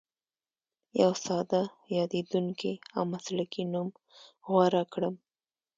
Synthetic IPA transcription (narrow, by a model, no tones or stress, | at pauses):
jawsɑd̪a | jɑd̪ed̪uŋkiawmaslakinum | ɣwaɾakɽəm